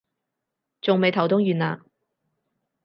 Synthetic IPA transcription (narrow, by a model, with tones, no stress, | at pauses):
t͡sʊ˨ŋme˨jt̪ʰɐ˨˩wt̪ʊ˥ŋjyː˨na̰ː˨